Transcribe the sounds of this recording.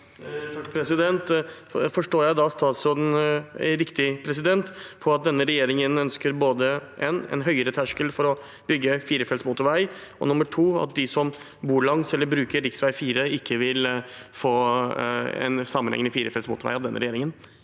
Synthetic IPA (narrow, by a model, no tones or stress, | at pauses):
fɔʈəpʰɾɛsɪd̪ɛnt̪ | fɔʂʈoːjæɪd̪ɑst̪ɑːt̪sɔn̰ɾɪkt̪ɪpʰɾɛs̬ɪd̪ɛnt̪pʰɔɑt̪̚d̪ɛnːəɾɛjeːɾɪŋənœnskəɾboːd̪əʔɛnɛ̰nɦœʏəɾət̪ʰæʂkəlfɔɾɔ | b̥ʏɡːəfiːɾəfɛlsmuːt̪əɾʋæɪ | ɔ̰nʊməʈʰuːɑ̰t̪̚d̪ɪsɔm | buːɭɑŋsɛlːəɾbɾʉːkəɾɾɪksʋæɪfiːɾəɪkːəʋɪlfoː | ɛ̰nsɑmːənhɛ̰ŋnəfiːɾəfɛlsmṵːt̪əɾʋæ̰ɪɑʋd̪ɛnːəɾɛjeːɾɪŋən